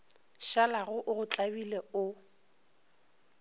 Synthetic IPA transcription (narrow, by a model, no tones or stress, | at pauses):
ʃalaɣʊʔʊɣʊt͡ɬʼabileʊ